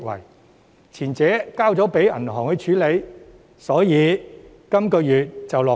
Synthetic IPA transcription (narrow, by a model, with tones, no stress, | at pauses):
kwɐ̰˨˩j | t͡sʰiː˨˩nt͡sɛː˨˥kaː˥wt͡sɔː˨˥pe˨˥jɐ̰˨˩nhɔː˨˩ŋhɵ˨˧ɥt͡ʃʰyː˨˥le˨˧j | sɔː˨˥jiː˨˧ | kɐ˥mkɔː˧jyː˨t̚t͡sɐ˨wlɔː˨